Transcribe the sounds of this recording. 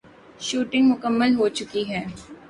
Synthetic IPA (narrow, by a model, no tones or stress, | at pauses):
ʃuːʈɪ̃ŋɡmʊkəmːəlɦoːt͡ʃʊkiɦɛː